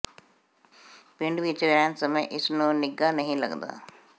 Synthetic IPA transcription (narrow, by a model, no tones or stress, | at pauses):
pɪ̃ɳɖʋit͡ʃɾɛːnsəməjʔɪsnũnɪɡanɐɦĩlɐ̰ɡd̪a̰ː